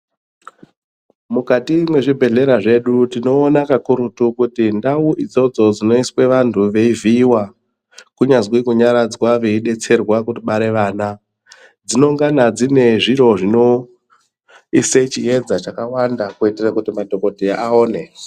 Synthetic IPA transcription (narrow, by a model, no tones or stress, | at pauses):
mukatimwe̞ʐibʱe̞ɮe̞ɾaʐe̞ɗutino̞ːnakakuɾutukutindauʔid͡zo̞d͡zo̞d͡zino̞iswe̞ʋantʰuʋe̞iviwa | kuɲazwikuɲaɾad͡zwaʋe̞iɗe̞t͡se̞rwakutiɓaɾe̞ʋaːna | d͡zino̞ŋɡanad͡zine̞ʐiɾo̞ʐino̞ | iset͡ʃied͡zat͡ʃakawandakuiterakutimatoko̞tiaoːne̞